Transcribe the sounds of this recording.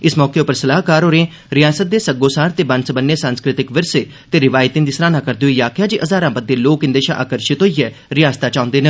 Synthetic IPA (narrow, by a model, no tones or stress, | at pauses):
ɪsmɔːkeʊpəɾsəlaːɦkaːɾoːɾẽː | ɾɪjaːsət̪̚d̪eːsəɡoːsaːɾt̪eːbənsəbənːeːsãːnskɾɪt̪ɪkʋɪɾseː | t̪eːɾɪʋaːjt̪ɪ̃nd̪iːsɾaːnãːkəɾd̪oiːjaːkʰjaːd͡ʒiʔəzaːɾãːbəd̪ːeːloːkɪnd̪eːʃã̰ʔa̰ːkəɾʃɪt̪oːijɛː | ɾɪjaːst̪aːt͡ʃãːʊ̃nd̪eːne